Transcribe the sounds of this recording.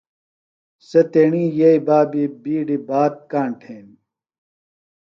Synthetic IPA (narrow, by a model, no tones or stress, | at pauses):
set̪eːɳijeibaːbibiːɖibaːt̪̚kaːɳʈʰeːn